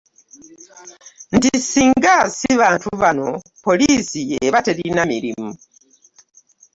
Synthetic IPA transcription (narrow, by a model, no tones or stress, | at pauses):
n̩tisiːŋɡasiβaːntuβano̞ | po̞liːsieβateɾinamiɾḭmu